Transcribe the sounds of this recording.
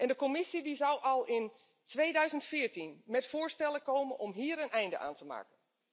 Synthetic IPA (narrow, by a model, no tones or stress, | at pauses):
ʔɛndəkomɪsidizɔwʔɔlˠɪn | tʰʋeːdœɥzəntfɪːɹtinmɛtfʊːɹstɛlˠəkowmənʔɔmɦiːɾənʔɛjndə̰ʔa̰ːntʰəma̰ːkən